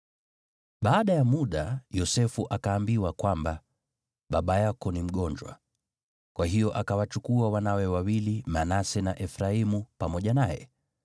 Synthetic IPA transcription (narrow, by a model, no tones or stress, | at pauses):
ɓaːɗajamuɗajɔsɛfuʔakaːmbiwakwamba | ɓaɓajakɔnim̩ɠɔɲd͡ʒwa̰ | kwaɦijɔʔakawat͡ʃukuawanawɛwawilimanasɛnaʔɛfɾaimupamɔʄanajɛ̰